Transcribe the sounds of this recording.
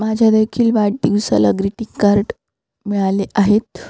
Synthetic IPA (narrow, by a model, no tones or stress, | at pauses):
mad͡ʑʱjad̪ekʰiːlʋaɽʈ̪iɡusa̰laɡɾiʈikːaɾʈ | miɭaleʔaɦet̪